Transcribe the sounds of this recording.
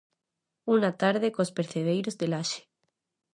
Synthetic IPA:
unat̪aɾð̞ekospeɾθeð̞ejɾozðelaʃe̥

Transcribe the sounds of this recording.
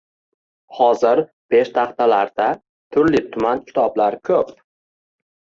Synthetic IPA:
hɒzɪɾ | b̥e̞ʃt̪ʰɑχt̪ʰalaɾd̪̥a | t̪ʰʊɾlɪt̪ʰʊmankʲʰɪ̥t̪ʰɒblaɾkʰɵp

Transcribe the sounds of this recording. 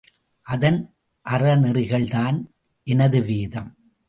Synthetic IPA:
ʔɐðɐn | ʔɐrɐnɪrɪɣɐɭðaːn | ʔɛnɐðɯʋiːðɐm

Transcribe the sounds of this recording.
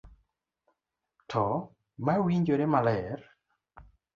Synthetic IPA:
tʰɔ | mawiɲd͡ʒoɾemalɛr

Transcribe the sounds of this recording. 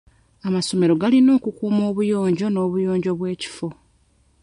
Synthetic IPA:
amaso̞me̞ɾo̞ɡalino̞ːkukuːmo̞ːβujo̞ːɲɟo̞no̞ːβujo̞ːɲɟo̞βwe̞ːci̥fo̞

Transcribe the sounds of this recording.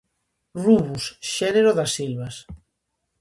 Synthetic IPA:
ruβusʃɛneɾoðasːilβas

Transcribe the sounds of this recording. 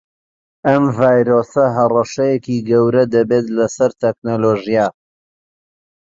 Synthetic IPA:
ɐmvaːjɾosɐɦɐrɐʃɐjekiɡɐwɾɐd̪ɐbet̪lɐsɐɾt̪eknoloʒija

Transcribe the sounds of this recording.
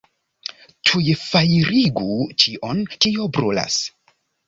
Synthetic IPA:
tʰujfajɾiɡut͡ʃiʔonkiobɾula̰s

